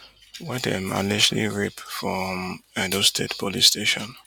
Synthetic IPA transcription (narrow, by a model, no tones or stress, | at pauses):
wadɛ̰̃ma̰lɛʃlḭɹipfɹɔmadostʰedpʰɔlisteʃɔ̃n